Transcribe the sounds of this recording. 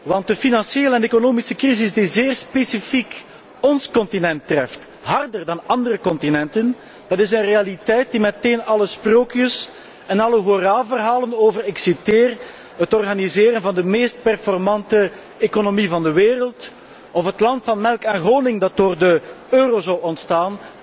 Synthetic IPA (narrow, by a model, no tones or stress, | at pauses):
ʋɑnt̚dəfinɑnsjeːləɛnekonoːmisəkrizɪzdizeːrspesifik | ɔnskɔntinɛntːrɛft | ɦɑrdərdɑnɑndərəkɔntinɛntən | d̥ɑtɪsənrealitɛjt̚dimɛteːnɑləsproːkjəs | ɛnɑləɦoraːvərɦaːlənoːvəɾɪksiteːr | ɦətɔrɣanizeːɾənvɑndəmeːst̚pɛrfɔrmɑntə | ekonomivɑndəʋeːrəlˠt | ɔfətlɑntfɑnmɛlˠkaːnɣoːnɪŋdɑt̚d̥oːrdə | øːroːzawɔntstaːn